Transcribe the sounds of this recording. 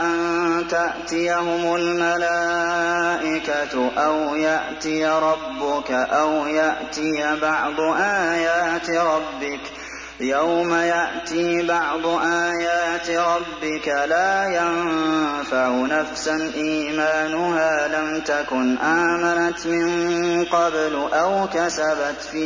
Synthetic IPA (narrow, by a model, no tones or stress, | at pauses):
ʔant̪aʔt̪ɪjaɦʊmʊlmalaː | ʔɪkat̪ʔawjaʔt̪ɪjaɾˤɑbːʊkaʔawjaʔt̪ɪjabɑʕd̪ˤʊʔaːjaːt̪ɾˤɑbːɪk | jawmajaʔt̪ibɑʕd̪ˤʊʔaːjaːt̪ɾˤɑbːɪkalaːjamfaʕʊnafsanʔiːmaːnʊhaːlamt̪akʊnʔaːmanat̪mɪnqɑblʔawkasabat̪fiː